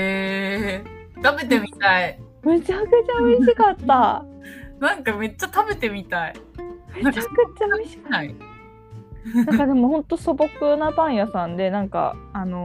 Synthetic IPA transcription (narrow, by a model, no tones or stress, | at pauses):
eː | t̪abe̞t̪emʲit̪ai | me̞t͡ɕakɯt͡ɕaoiɕikat̪ːa | nãŋkame̞t͡ɕːat̪abe̞t̪e̞mʲit̪aimet͡ɕakɯ̟t͡ɕaiɕi̥kai | nãŋkad̪e̞mo̞hõ̞nt̪oso̞bokɯ̟nabãɰ̃jasãnd̪e̞nãŋka̰ːno̞